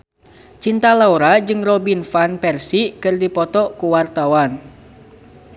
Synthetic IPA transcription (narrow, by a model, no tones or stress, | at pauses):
t͡ʃint̪alauɾad͡ʒɨŋrɔbinfanpɛrsikɨrdipɔt̪ɔkuwart̪awan